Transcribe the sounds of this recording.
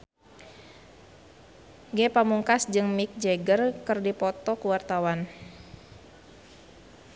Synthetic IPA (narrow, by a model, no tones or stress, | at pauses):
ɡɛpamuŋkasd͡ʒɨŋmik̚d͡ʒɛɡərkɨrdipɔt̪ɔkuwart̪awan